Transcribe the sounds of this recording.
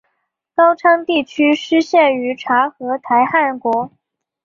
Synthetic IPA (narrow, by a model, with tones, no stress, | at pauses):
kɑ˥ʊʈ͡ʂʰɑ˥ŋt̪i˥˩t͡ɕʰy˥ʂɻ̩˥ɕjɛ˥˩ny˧˥ʈ͡ʂʰa˧˥xɤ˧˥t̪ʰa˧˥ɪxa˥˩nkwɔ˧˥